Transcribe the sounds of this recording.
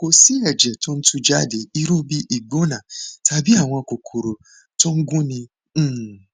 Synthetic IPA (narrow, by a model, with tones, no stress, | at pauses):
ko˨si˦ɛ˨d͡ʒɛ˨to˦n̩˦tũ˧d͡ʒa˦˨de˨˦i˦ɾu˦bi˦ʔi˦˨ɡ͡bo˦nã˨tʰa˧bi˦a˦˨w̃ɔ̃˧˨ko˨kʰo˨ɾo˨ | to˦ŋ̩˦ɡũ˦nĩ˧˨